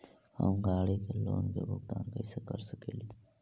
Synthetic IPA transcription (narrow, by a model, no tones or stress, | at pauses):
hə̰mɡaːɽekeloːnkebʱʊɡ̚d̪aːnkəisekəɾsəkeːli